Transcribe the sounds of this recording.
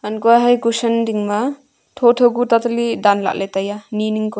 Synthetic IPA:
ankuaɦajkusɐndiŋma | tʰotʰoɡutatlidanla̰k̚lʔajtajaniniŋkɔ

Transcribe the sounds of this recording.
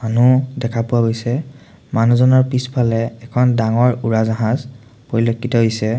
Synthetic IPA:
manudɛkʰapʊwaɡojsɛ | manuzɔnɔɹpispʰalɛːkʰɔndaŋɔɹuɹazaɦãz | poɹilokːitɔɦojsɛ

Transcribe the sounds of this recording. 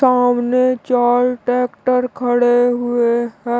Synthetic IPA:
aːmnet͡ʃaːɾʈɛːkʈəɾkʰəɽeɦʊeɦɛ̃ː

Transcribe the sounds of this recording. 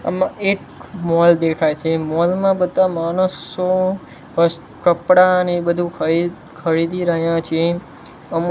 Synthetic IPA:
ə̰mãʔek | mɔld̪ekʰajt͡ʃʰemɔlmãbəd̪ʱamanəso | əs | kəpɽanebəd̪ʱũkʰəid | kʰəɾid̪ʱiɾəɦjãt͡ʃʰe | əm

